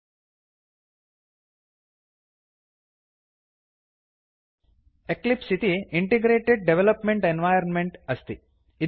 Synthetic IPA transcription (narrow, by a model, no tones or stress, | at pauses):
eklipsit̪iiɳʈeɡɾeːʈeɖ̚ɖeʋelɐpmeɳʈenʋaːjɐɾnmeɳʈɐst̪i | i